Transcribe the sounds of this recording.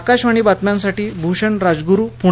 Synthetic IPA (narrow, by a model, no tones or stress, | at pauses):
kaɕʋaɽ̃ibat̪mjãnsaʈiːbʱuɕəɳɾad͡zɡuɾuːpu